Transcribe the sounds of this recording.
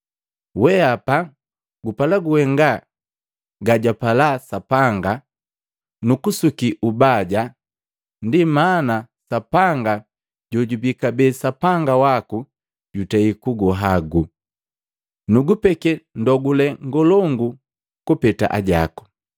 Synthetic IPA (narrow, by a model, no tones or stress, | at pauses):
wɛapa | ɡupalaɡuhɛŋɡa | ɡaɟapalasapaŋɡa | nukusukiʔubaɟa | ndimaːna | sapaŋɡa | ɟɔɟubikabɛsapaŋɡawaku | ɟutɛikuɡɔɦaɡu | nuɡupɛkɛndɔɡulɛŋɡɔlɔŋɡu | kupɛta̰ʔa̰ɟa̰ku̥